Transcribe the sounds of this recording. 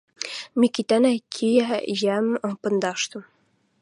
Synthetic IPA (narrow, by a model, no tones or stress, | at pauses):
mikit̪ænækʲʰijæjæmpɤ̆nd̪ɑʃt̪ɤ̆m